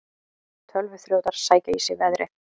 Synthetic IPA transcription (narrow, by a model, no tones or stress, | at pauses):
t̪ʰœlvʏθljoːwt̪aɾ̥saːjcaisɪvɛðɾɪ̰